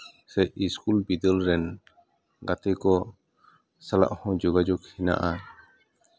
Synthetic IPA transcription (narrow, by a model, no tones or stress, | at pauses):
sɛiskulbid̪əlɾɛn | ɡat̪ɛkɔ | sala̰ʔhɔ̃d͡ʒɔɡad͡ʒɔkhina̰ʔa